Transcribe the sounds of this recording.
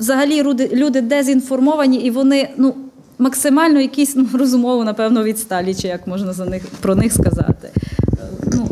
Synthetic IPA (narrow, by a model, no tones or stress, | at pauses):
ʋzɐɦɐlʲiɾud̪ɪlʲud̪ɪd̪ɛzʲinfɔrmɔʋɐnʲiiʋɔnɪnu | mɐksɪmɑlʲnɔjɐkʲisʲnurɔzʊmɔʋʊnɐpɛwnɔʋʲit̪st̪ɑlʲit͡ʃɪjɐkmɔʒnɐzɐnɪxpɾɔnɪxskɐzɑ̰t̪ɪ̥ | nu